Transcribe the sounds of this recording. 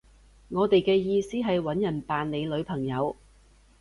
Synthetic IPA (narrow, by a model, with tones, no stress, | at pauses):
ŋɔː˨˧t̪e˨jkɛː˧jiː˧siː˥ɦɐ˨jwɐ˨˥njɐ˨˩npaː˨nle˨˧jlɵ˨˧ɥpʰɐ˨˩ŋjɐ˨˧w